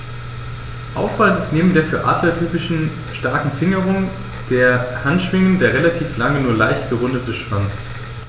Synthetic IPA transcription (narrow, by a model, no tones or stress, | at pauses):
ʔa̰ʊfv̥alntɪ̥stneːbm̩deːɐfyːɐʔa̰ːtʰlɐtʰyːpɪʃn̩ | ʃtaɐkŋ̩fɪŋəʁʊŋ | d̥eːɐhantʃv̥ɪŋəndeːɐʁelatʰiːflaŋənuːɐlaɪçtɡ̥əʁʊndətəʃv̥ant͡s